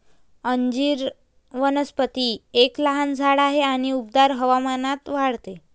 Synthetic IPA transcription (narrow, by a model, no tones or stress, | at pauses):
əɲd͡ʑiːɾ | ʋənəspət̪ieklaɦand͡zʱaɽaɦeaɽ̃iup̚d̪aɾɦəʋamanat̪ʋaɽt̪e